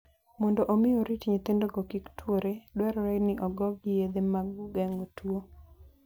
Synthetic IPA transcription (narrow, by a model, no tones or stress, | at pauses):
mɔndɔʔomɪoɾitɲet̪endoɡokiktwoɾedwɛɾɔɾɛnɪʔɔɡɔɡɡɪjed̪emaɡuɡɛŋotwo